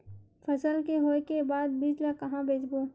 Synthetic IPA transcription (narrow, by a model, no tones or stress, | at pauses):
fʰəsəlkeɦoːekebaːd̪biːd͡ʒlakɐɦãbʱeːd͡ʒboː